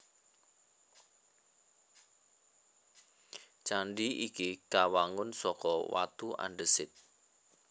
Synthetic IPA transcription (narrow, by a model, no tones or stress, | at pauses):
t͡ʃaɳɖiikikawaŋʊnsɔkɔwa̰t̪uʔa̰nɖəsɪt̪̚